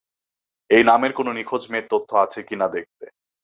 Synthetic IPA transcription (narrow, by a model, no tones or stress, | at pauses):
ejnameɾkononikʰod͡ʑmeɾt̪ot̪ʰːoat͡ɕʰekinad̪ek̚t̪e